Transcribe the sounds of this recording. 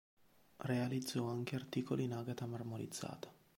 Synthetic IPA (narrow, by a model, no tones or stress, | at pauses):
realid̪zːɔaŋk̟eart̪iːkolʔinaɡat̪amarmoɾḭd̪z̥ːa̰ːt̪ḁ